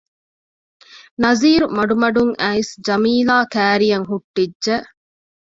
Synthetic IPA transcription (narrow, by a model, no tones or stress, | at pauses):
nɐziːɾumɐɖumɐɖuŋʔæːisd͡ʒɐmiːlaːkæːɾijɐŋɦuʈːiːʒe